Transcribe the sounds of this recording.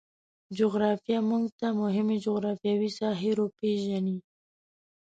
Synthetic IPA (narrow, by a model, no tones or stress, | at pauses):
d͡ʒʊɣɾɑfijamuŋɡt̪amʊɦɪmed͡ʒʊɣɾɑfjɑwisɑɦɪɾopeʒani